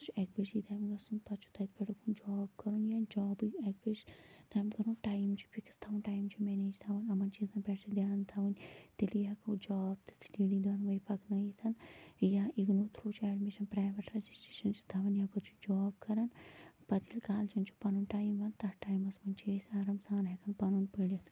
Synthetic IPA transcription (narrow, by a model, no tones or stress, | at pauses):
t͡ʃʰuɛk̚bet͡ʃit̪ʰaːmɡɐsunpɐt͡ʃʰu̥t̪ʰɐt̪̚peʈukʰund͡ʒɔːbkɐɾunjad͡ʒɔːbɛk̚bed͡ʒt̪ʰaːmkɐɾunʈaːjmt͡ʃʰu̥pikst̪ʰaʋunʈaːjmt͡ʃʰumeːneːd͡ʒt̪ʰaʋɐnɐmɐnt͡ʃiːzɐpɛːʈt͡ʃʰɐd̪jaːnt̪ʰaʋunʲt̪elijakɐd͡ʒɔːb̚t̪ɨ̥sliːɖid̪ɐnʋɐjpɐknɐjit̪ʰɐnjaʔiɡnuːt̪ʰɾuːt͡ʃʰuɛːɖmiʃɐnpɾaːjʋeʈɾed͡ʒisʈɾeːʃɐnt͡ʃʰi̥t̪ʰaːʋɐnjaːpɐt͡ʃʰu̥d͡ʒɔːbkɐɾɐnpɐt̪ʰilkaːld͡ʒint͡ʃʰu̥pɐnunʈaːjmʋɐnt̪ɐʈaːjmɐsmɐnʲt͡ʃʰesʲaːɾɐmsaːnɦekɐnpɐnunpiɽit̪